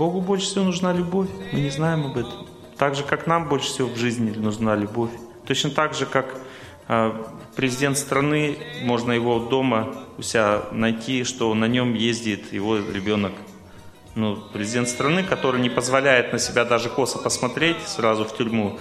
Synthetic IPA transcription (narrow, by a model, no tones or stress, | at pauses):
bo̞ɡʊbolʲʂɨ̥sʲɪvo̞nʊʐnalʲʊbo̞fʲmɨnʲɪznajɪmɐbɛt̪əm | t̪aɡʐɨkaknambo̞lʲʂɨ̥fsʲɪvovʐɨzʲnʲɪlʲɪnʊʐnalʲʊbo̞fʲt̪o̞t͡ɕnət̪aɡʐɨkak | pɾʲɪzʲɪdʲe̞nt̪st̪ɾɐnɨmo̞ʐnəjɪvo̞d̪o̞məʊsʲɪanɐjtʲiʂt̪o̞nɐnʲo̞mjezʲdʲɪt̪jɪ̰vo̞ɾʲɪbʲo̞nək | nupɾʲɪzʲdʲe̞nt̪st̪ɾɐnɨkɐt̪o̞ɾɨjnʲɪpəzvɐlʲæjɪt̪nəsʲɪbʲad̪aʐɨko̞səpəsmɐt̪ɾʲetʲsrazʊftʲʊɾʲmu